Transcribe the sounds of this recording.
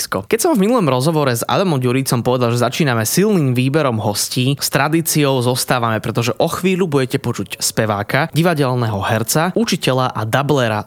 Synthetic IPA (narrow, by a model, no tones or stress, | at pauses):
skɔkɛcsɔmvminulˠɔmɾɔzɦɔʋɔɾɛza̰d̪amɔmɟuɾit͡sɔmpɔʋɛd̪alʒɛzat͡ʃiːnamɛsilniːmʋiːbɛɾɔmɦɔsciːst̪ɾad̪iːt͡siɔʊzɔst̪aːʋamɛpɾɛt̪ɔʒɛʔɔxʋiːlubuɟɛcɛpɔt͡ʃucspɛʋaːkaɟiʋaɟɛlnɛɦɔɦɛɾt͡saut͡ʃicɛʎaʔad̪ablɛɾa̰